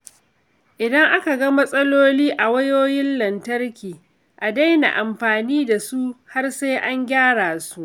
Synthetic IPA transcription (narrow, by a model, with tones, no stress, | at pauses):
ʔɪ˨dɐ˦ŋʔa˦ka˨ɡɐ˦mɐ˦sʼɐ˦loː˦liː˦ʔa˨wɐ˦joː˦jɪ˦nlɐ˨ntɐ˦rkʲiː˨ | ʔa˨da˦jna̰˨ʔa˨mɸaː˨niː˦da˨su˦ha˦rsa˦jʔa˦ŋɡʲaː˦ɽaː˨su˦ʔ